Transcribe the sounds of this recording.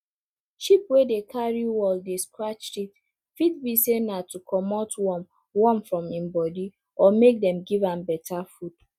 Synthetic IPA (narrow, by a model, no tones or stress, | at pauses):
ʃipwedekʰaɹiwɔldeskɹat͡ʃʃit | fit̚bisenatukʰɔmɔtwɔm | wɔ̃mfɹɔ̃mĩmbɔdi | ɔmek̚dɛ̃mɡivãmbɛtʰafud